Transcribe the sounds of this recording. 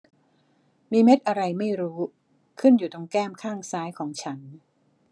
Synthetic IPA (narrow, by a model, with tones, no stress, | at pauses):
miː˧me˦˥t̪̚ʔa˧ɾa˧jma˥˩jɾuː˦˥ | kʰɯ˥˩njuː˨˩t̪o˧ŋkɛː˥˩mkʰaː˥˩ŋsaː˦˥jkʰɔː˩˦ŋt͡ɕʰa˦˥n